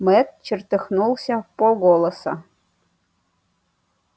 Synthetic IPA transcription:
met̪̚t͡ɕɘ̆rt̪ə̆xnulˠsʲɑpoɡolˠɤ̆sɑ

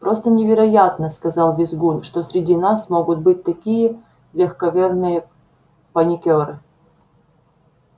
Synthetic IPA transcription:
pɾost̪ənʲɪvʲɪɾɐjat̪nəskɐzɑlˠvʲɪzɡunʂt̪osʲɾʲɪdʲinasmoɡʊt̪̚bɨt̚ʲt̪ɐkʲijə | lʲɪxkɐvʲernɨjə | pɐnʲɪkʲoɾɨ

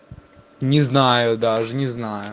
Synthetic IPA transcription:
nʲiznɑjʊd̪ɑʒnʲiznɑjʊ

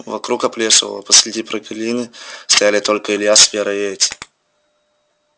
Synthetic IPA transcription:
vɐkɾukɐplʲeʂə̰v̰ə̰pəsʲɾʲɪdʲipɾəkɐlʲinɨst̪ɐjalʲɪt̪olʲkəɪlʲjasvʲeɾɐetʲɪ̥

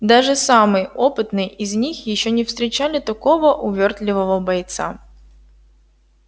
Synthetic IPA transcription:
d̪aʐɨsamɨjo̞pɨt̪nɨjɪzʲnʲixjɪɕːonʲɪfst̪ɾʲɪt͡ɕalʲɪt̪ɐko̞vəʔʊvʲo̞rt̪lʲɪvəvəbɐjt̪sa̰

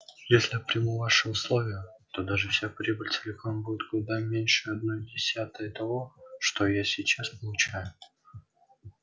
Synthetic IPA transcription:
jesʲlʲɪpɾʲɪmuvaʂɨʊslˠo̞vʲɪjət̪o̞d̪aʐɨfsʲapɾʲibəlʲt͡sʲɪlʲɪkonbudʲɪt̪̚ɡlʊd̪amʲenʲʂɨɐd̪̚no̞jdʲɪsʲat̪əjət̪ɐvo̞ʂt̪o̞jasʲɪt͡ɕaspəlˠʊt͡ɕajʊ

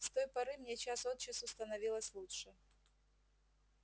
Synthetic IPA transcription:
st̪o̞jpɐɾɨmnʲet͡ɕasot̪̚t͡ɕɪsʊst̪ənɐvʲilˠəsʲlˠutʂɨ

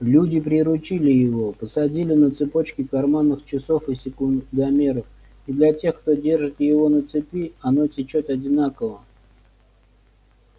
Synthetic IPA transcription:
lʲudʲɪpɾʲɪɾʊt͡ɕilʲɪjɪvopəsɐdʲilʲɪnət̪sɨpo̞t͡ɕkʲɪkɐrmanːɨxt͡ɕɪsofɨsʲɪkʊd̪ɐmʲe̞ɾəf | id̪lʲɐtʲe̞xkt̪o̞dʲe̞rʐɨt̪jɪvo̞nət̪sɨpʲiɐno̞tʲɪt͡ɕot̪ɐdʲɪnakəvə

